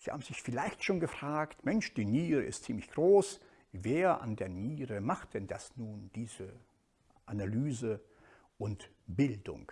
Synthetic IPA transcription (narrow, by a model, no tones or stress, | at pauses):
z̥iːha̰ːbm̩zɪçfɪlaɪçtʃoːnɡəfʁ̥aːktmɛnʃd̥iːniːʁəɪ̰stt͡siːmlɪçɡ̥ʁoːs | veːɐʔa̰ndeːɐniːʁəmaχt̚d̥ɛnd̥asnuːnd̥iːzə | ʔanalyːzə | ʔʊnt | b̥ɪldʊ̰ŋ